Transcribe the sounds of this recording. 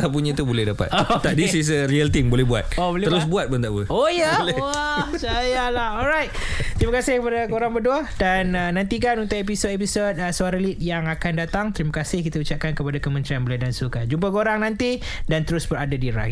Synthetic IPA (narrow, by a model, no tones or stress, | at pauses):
ap̬uɲãt̪ubolɛhdapa̰t̪ot̪adisis̬əɾiəlt̪iŋbolɛbua̰t̪̚obolɛəɾʊs̬buat̪̚bənt̪aʔbəojalɛsajalahɔlɾajt̪̚t̪ɾimakasɪhkəpadakoɾaŋbəduadanənãnt̪ik̬anunt̪ʊʔep̬isot̪episot̪̚əsuaɾəlit̪̚jaŋakandat̪aŋt̪əɾimakasɪhkit̪aut͡ʃap̚kankəpadakəmə̃nt̪ɾianbolɛhdansukand͡ʒump̬akoɾaŋnãnt̪i | dant̪əɾʊsbəɾadadiɾa̰